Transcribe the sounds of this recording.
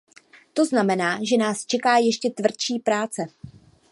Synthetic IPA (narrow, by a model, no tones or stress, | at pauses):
t̪o̞znamɛnaːʒɛnaːst͡ʃɛkaːjɛʃcɛt̪vr̩t̪t͡ʃiːpɾaːt͡sɛ